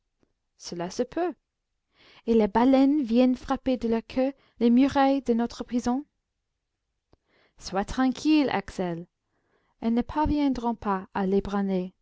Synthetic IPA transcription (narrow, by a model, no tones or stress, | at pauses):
səlasəpʰø | elebalɛnvjɛnfʁaped̪əlakʰø | lemyʁajd̪ənɔt̪χəpχizɔ̃ | swat̪χɑ̃kʰila̰ksɛl | ɛnəpʰaʁvjɛ̃d̪ʁɔ̃paalebʁane